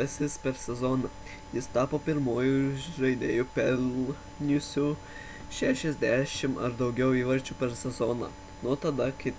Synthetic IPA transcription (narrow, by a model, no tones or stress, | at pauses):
ɐsʲɪspʲɛɾsʲɛzoːnɐ | jɪst̪ɑːpoːpʲɪɾmoːjʊʒɐɪd̪ʲeːjʊpʲɛl | nʲʊsʲʊ | ʃʲæʃʲɛzʲd̪ʲæːʃʲɪmɐ̰ɾd̪ɐʊɡʲɛʊiːʋɐɾʲt͡ʃʲupʲɛɾsʲɛzoːnɐ̰ | nʊt̪ɐd̪ɐkɪ